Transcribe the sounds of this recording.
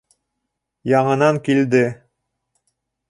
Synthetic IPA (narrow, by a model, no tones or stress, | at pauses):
jɑɴɤ̆nɑŋkild̪ɘ